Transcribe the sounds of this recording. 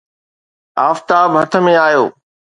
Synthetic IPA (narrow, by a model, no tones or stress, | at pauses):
aːft̪aːbɦɐt̪ʰə̆mẽaːjoː